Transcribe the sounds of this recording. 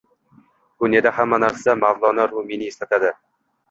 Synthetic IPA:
b̥ʊnjed̪ahamːanaɾsamavlˠɒnaɾʊmenɪeslat̪ʰad̪ɪ

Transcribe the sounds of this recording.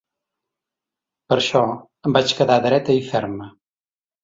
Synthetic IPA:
pəɾʃɔ | əmbat͡ʃkəðaðɾɛt̪əifɛɾmə

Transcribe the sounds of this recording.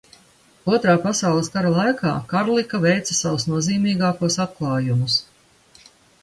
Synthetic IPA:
uɔt̪ɾaːpasawlˠəskaɾalˠajka̰ːkaɾlˠikavɛjt̪sɐsavusnuɔziːmiːɡaːkuɔsat̪̚klˠɑːjumus

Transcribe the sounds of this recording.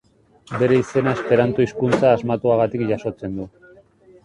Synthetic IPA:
be̞ɾe̞ise̞naespe̞ɾant̪oiskunt͡saːzmat̪uaɣat̪ikʝaso̞t͡se̞nd̪u

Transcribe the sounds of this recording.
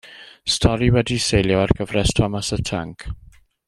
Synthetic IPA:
stʰɔɾiwɛdisejljɔarɡ̥əvrɛstʰɔmasətʰaŋkʰ

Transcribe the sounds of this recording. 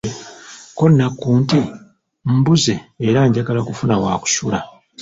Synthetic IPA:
konːakːuːnti | m̩buzeːɾaɲɟaɡalakufunawaːku̥sula

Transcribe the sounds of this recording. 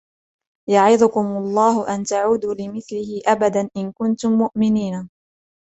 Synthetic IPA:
jaʕɪðʊkʊmɑlˤːɑːhʊʔant̪aʕuːd̪uːlɪmɪθlɪhɪʔabad̪anʔɪnkʊnt̪ʊmːʊʔmɪniːna

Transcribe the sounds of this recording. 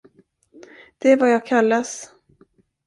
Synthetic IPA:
d̪̥ɛvajɑːɡ̚kʰalːas

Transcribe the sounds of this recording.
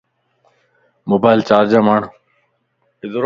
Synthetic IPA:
moːbaːɪlt͡ɕaːɾd͡ʒaːmaːɳ̤ | ɪzɾ

